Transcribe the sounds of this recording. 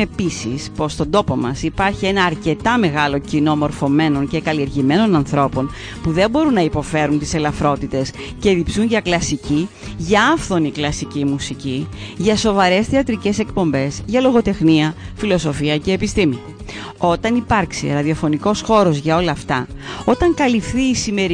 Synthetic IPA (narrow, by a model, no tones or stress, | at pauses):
episḭspo̞st̪o̞nd̪o̞po̞mɐsipɐɾçie̞nɐːɾce̞t̪ɐme̞ɣɐlo̞cino̞mo̞ɾfo̞me̞no̞nce̞kɐlieɾʝime̞no̞nɐnθɾo̞po̞n | puðe̞mbo̞ɾunːɐipo̞fe̞ɾunt̪i̥se̞lɐfɾo̞t̪it̪e̞s | ce̞ðipsunʝɐklɐsici | ʝɐɐfθo̞niklɐsicimusiciʝɐso̞vɐɾe̞sθeɐt̪ɾice̞se̞kpo̞mbe̞zʝɐlo̞ɣo̞t̪e̞xniɐfilo̞so̞fiɐce̞ːpist̪imi | o̞t̪ɐnipɐɾksḭɾɐðio̞fo̞niko̞sxo̞ɾo̞zʝɐo̞lɐːft̪ɐo̞t̪ɐŋkɐlifθiːsime̞ɾ